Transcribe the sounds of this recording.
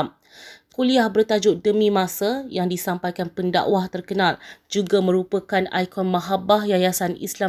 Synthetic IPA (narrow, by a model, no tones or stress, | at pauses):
m | kuliahbərt̪ad͡ʒʊdəmĩmãsajaŋdisampajkanpənda̰ʔwaht̪ərkənald͡ʒuɡamə̃ɾupəkana̰jkɔnmaɦabahjajasanḭsla